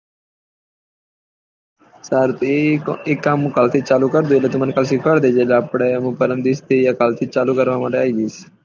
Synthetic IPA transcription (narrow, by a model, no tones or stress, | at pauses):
saɾt̪ekːamɦũkaːlt̪ʰit͡ʃaːlukəɾd̪uelet̪ʊmənkaːlsɪkʰəɽd̪ed͡ʒeleapɽ̃emũːpəɾənd̪ist̪ʰijakaːlt̪ʰit͡ʃaːlukəɾʋamãːʈeaːid͡ʒiːs